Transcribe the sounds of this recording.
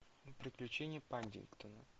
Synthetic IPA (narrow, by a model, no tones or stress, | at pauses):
pɾʲɪklʲʉt͡ɕenʲɪjəpanʲdʲɪ̰nkt̪ənə